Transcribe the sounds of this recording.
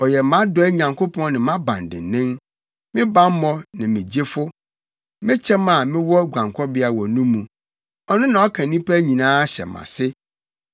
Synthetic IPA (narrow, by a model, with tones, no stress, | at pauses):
ɔ˨jɛ˨mã˦dɔ˦ɛ˦ɲã˨ŋkʰo˦pʰɔ̃˦nɪ̃˨mã˦bã̰˨n˨dɪ̰˨nɪ̃˦m | mɪ̃˦bã˨˦m˦mɔ̃˦nɪ̃˨mɪ̃˨d͡ʑe˦fʊ˦ | mɪ̃˦t͡ɕʰɛ˦ma˨mɪ̃˦wɔ˦ɡʷã˨ŋkʰɔ˦bɪ˦a˨wɔ˨nũ˦mũ˨ | ɔ˦nʊ̃˦nã˨ɔ˦kʰã˨nĩ˦pʰæ˦ɲĩ˨nãː˦ɕɛ̰˨mã̰˨sɪ˦